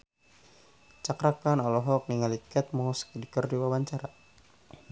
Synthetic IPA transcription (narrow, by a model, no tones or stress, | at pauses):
t͡ʃakɾakanɔlɔɦɔk̚niŋalikɛt̪̚mɔɦuskdikərdiwawaɲt͡ʃaɾa